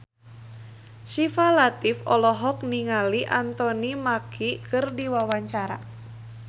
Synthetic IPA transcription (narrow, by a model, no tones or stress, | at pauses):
ʃifalat̪ifɔlɔɦɔk̚niŋaliʔant̪ɔnimakʰikʰɨrdiwawaɲt͡ʃaɾa̰